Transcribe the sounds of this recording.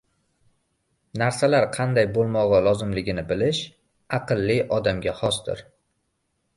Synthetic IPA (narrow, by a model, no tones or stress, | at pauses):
naɾsalaɾqʰɑnd̪ajbolˠmɒʁɑlˠɒzɪmlɪɡʲɪnɪbɪlɪʃ | ɑqʰɨlˠːɪʔɒd̪amɡʲahɒsd̪ɪ̰ɾ